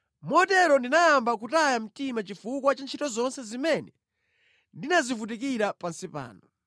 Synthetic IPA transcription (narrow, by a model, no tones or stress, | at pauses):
mɔtɛɾɔndinajambak̬utajam̩timat͡ʃifukwat͡ʃant͡ʃʰitɔzɔnsɛzimɛnɛ | ndinazivut̬ik̬iɾapansipa̰ːnɔ